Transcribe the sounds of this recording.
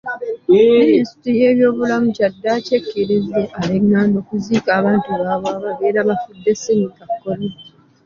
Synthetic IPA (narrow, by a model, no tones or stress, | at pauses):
mmmininsi̥tɾije̞ːβjo̞ːβulamucadːaːce̞kːiɾizeʔaleŋːaːndo̞ːkuziːkaːβaːntuβaβwaːβaβeːɾaβafudːe̞semikakːoβi